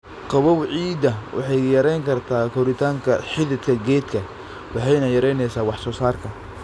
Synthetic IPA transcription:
qɑβɔwʕiːd̪ɐwʔɑ̰ħɑjjɐɾɛjŋkʰɐrt̪ʰaːkʰɔɾɪt̪ʰaːŋkʰɐħɪðɪt̪kʰɐɡɛːd̪kʰɐ | wɑħɑjnɐjɐɾɛjnɛjsaːwɑħsɔːsaːrkʰɐ

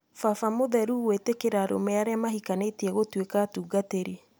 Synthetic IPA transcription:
fafamoðɛɾuɣwetekeɾaːɾo̰mɛaɾeamaɦikanetiɛɣotwekaːtuːɡateɾi

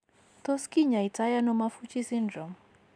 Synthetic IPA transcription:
t̪ɔskiɲaitajanɔmafut͡ʃisindɾɔm

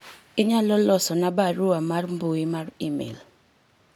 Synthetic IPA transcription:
ɪɲalɔlɔsɔnabaɾʊamarmboimarimḭl

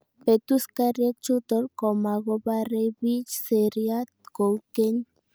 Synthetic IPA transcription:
pet̪uskaɾjek̚t͡ʃut̪oɾkomaɣobarebit͡ʃseɾjat̪̚kowkeɲ

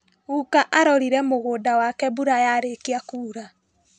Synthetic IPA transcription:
ɣukaʔaɾɔɾiɾɛmoɣoːdawakɛbuɾajaɾekeakuːɾa

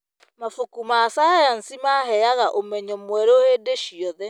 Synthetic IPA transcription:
mafukumaːsaːjan̩simaɦɛjaɣaʔomɛɲɔmwɛɾoheːdeʃiɔðɛ

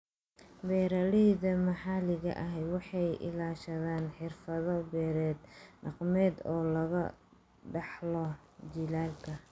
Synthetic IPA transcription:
bɛːɾɐlɪðɐmɐħɑːlɪɣɐ̰ʔɐɦɛjwɑħɑjʔɪ̰laːʃɐðaːnħɪrfɐðɔbɛːɾɛːd̪ɖɑqmɛːd̪ɔːlɐɣɐ̰ | ɖɑħlɔ | d͡ʒɪlaːlkʰɐ

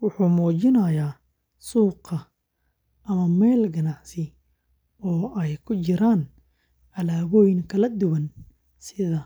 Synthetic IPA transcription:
wʊħuːmɔːt͡ʃɪnɐjaː | suːqɐ | ʔɐmɐmɛːlɡɐnɑʕsɪ | ɔːʔɛjkʰʊt͡ʃɪɾaːn | ɐlaːwɔjnkʰɐlɐd̪ʊwɐn | sɪðɐ

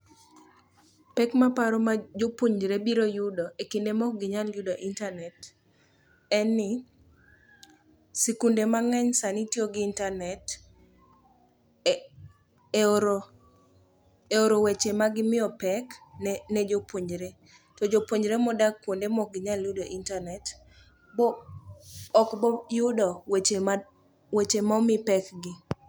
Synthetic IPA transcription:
pɛkmapaɾɔmad͡ʒopoɲd͡ʒɾebiɾojʊdɔʔekindemɔk̚ɡɪɲaljʊdoʔintanɛt | ɛnːɪ | sikundemaŋɛɲsanitjoɡɪːntanɛt | eoɾo | eoɾowet͡ʃemaɡɪmɪɔpɛknned͡ʒopwoɲɾe | tɔd͡ʒopwoɲd͡ʒɾemɔdakːwondemɔɡɪɲalʊdoʔintanɛt | bɔ | ɔkbɔjʊdɔwet͡ʃem | wet͡ʃemamɪpɛkɡɪ

